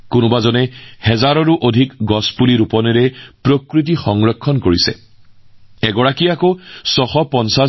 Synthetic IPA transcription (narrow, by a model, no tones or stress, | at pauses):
kʊnʊbazɔnɛhɛzaɹɔɹuʔodʱikɡɔspuliɹupɔnɛɹɛpɹokɹit̬ixɔŋɹɔkʰːɔnkoɹisɛ̰ | ɛɡɔɹakiakosɔxɔpɔnsa